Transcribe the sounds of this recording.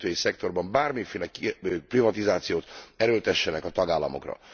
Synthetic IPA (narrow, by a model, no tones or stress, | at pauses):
t̪øːjisɛkt̪o̞rbɒmbaːrmifeːlɛkprivɒt̪izaːt̪sijoːt̪ɛɾøːlt̪ɛʃːɛnɛkɒt̪ɒɡaːlːɒmo̞̰krɒ̰